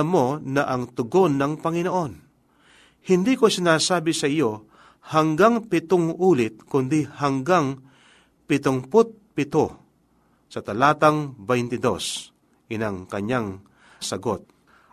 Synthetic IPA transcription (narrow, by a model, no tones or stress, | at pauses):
ɐmo̞nɐʔɐŋt̪ʊɡonːɐŋpɐŋɪnoʔo̞n | hɪnd̪ikosɪnaːsaːbɪsɐʔɪjo | hɐŋɡaŋpɪt̪oŋʔuːlɪt̪̚kʊnd̪ɪhɐŋɡaŋ | pɪt̪ʊŋpʊt̪̚pɪt̪o | sɐt̪ɐlaːt̪aŋbɛjnt̪ɪd̪o̞̰s | ɡɪnaŋkɐɲaŋ | sɐɡot̪̚